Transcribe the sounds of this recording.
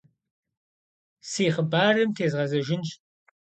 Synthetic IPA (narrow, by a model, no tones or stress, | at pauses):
siːχəbaːrɨmtʰeːzʁɐzɐʒɪnɕ